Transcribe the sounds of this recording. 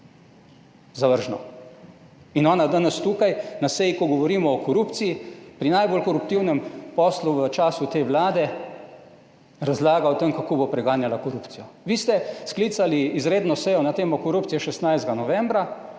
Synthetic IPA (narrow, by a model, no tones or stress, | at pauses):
zaʋəɾʒnɔ̰ | inɔːnad̪aːnɛst̪ukajnasɛjikɔɡɔʋɔɾiːmɔːkɔɾuːpt̪sijipɾinajbolkɔɾupt̪iwnɛmpɔːsluʋət͡ʃaːsut̪eːʋlaːd̪ɛ | ɾazlaːɡaɔt̪əmkakoːbopɾɛɡaːnjalakɔɾupt̪sijɔʋiːst̪ɛsklit̪saliːzɾeːd̪nɔsɛjɔnat̪eːmɔkɔɾuːpt̪sijɛʃɛst̪najzd̪ɡanɔʋɛmbɾa